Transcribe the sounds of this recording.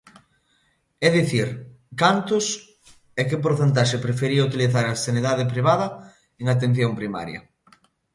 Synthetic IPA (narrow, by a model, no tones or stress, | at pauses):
ɛðiθiɾ | kant̪ʊs | ɛkɪpoɾθent̪̬aʃepɾefeɾiɐut̪̬iliθaɾɐeseniðaðɪpɾiβ̞aðɐ | eŋat̪̬en̟θjompɾima̰ɾjɐ̰